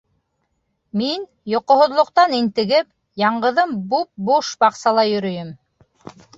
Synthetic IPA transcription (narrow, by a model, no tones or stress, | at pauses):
min | jŏqŏɦŏðlˠŏq̚t̪ɑnint̪ɘ̆ɡɘp̚ | jɑɴɢɤ̆ðɤmbup̚buʃbɑqsɑlˠɑjɵ̆ɾɵ̆jɘm